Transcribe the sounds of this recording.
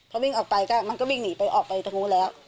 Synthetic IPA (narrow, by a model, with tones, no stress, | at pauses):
pʰɔ˧˥wi˥˩ŋʔɔː˨˩k̚pa˧jkaː˥˩ma˧nkɔː˥˩wi˥˩ŋniː˩˦pa˧jʔɔː˨˩k̚pa˧jt̪ʰa˧ŋuː˧˦˥lɛː˦˥w